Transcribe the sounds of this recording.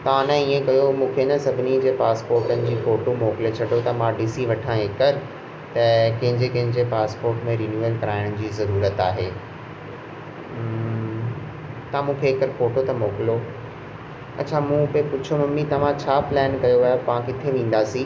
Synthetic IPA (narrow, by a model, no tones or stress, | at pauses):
t̪ɐʋãnɐ̃iːẽkɐjomũːkʰenɐsɐbʱɪnid͡ʑeːpaːspoːɾʈənɪ̆d͡ʑiːfoːʈomoːkɪlet͡ɕʰɐɖot̪ɐmãɖisiʋɐʈʰãeːkəɾ | t̪ɐkɐ̃ɦɪ̃ɲd͡ʑekɐ̃ɦɪ̃ɲd͡ʑepaːspoːɾʈmẽɾiːnjuelkɐɾaːɪɽ̃ʊ̆d͡ʑiːzɐɾuːɾət̪aːɦeː | t̪ɐãmũːkʰeːkəɾfoːʈot̪ɐmoːkɪlo | ɐ̰tːt͡ɕʰamũːpepʊt͡ɕʰomɐ̃mĩt̪ɐʋ̤ãt͡ɕʰaːplɛːnkɐjoʋɐjopɐʋãkɪt̪ʰeʋẽːn̆d̪aːsĩ